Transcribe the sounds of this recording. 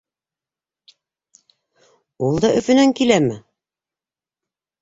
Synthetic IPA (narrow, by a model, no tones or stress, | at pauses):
ulˠd̪ɑʔɵ̆fɵ̆næŋkilæmɘ